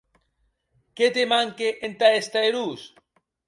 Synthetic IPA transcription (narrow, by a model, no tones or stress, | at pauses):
ket̪emaŋkeʔent̪aest̪aeɾus